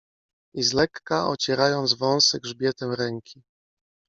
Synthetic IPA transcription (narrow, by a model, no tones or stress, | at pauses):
izlɛkːaʔɔ̰t͡ɕɛɾajɔnd̪zvɔ̃w̃sɛɡʐbʲjɛt̪ɛmɾɛŋkʲi